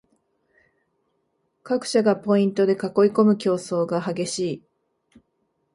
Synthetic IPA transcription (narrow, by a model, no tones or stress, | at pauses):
kakɯ̟̥ɕaɡapo̞ĩnt̪o̞d̪e̞kako̞iko̞mɯ̟kʲo̞ːso̞ːɡahaɡe̞ɕiː